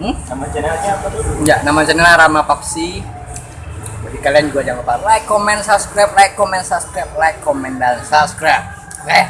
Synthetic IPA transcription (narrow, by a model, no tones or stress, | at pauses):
namad͡ʒənlaɲapajanamad͡ʒənɛlaɾamapak̚si | badikaliand͡ʒuɡad͡ʒaŋapalajkːɔmɛnsap̚skɾap̚lajkːɔmɛnsap̚skɾap̚lajkːɔmɛndansapskɾap̚ | kɛ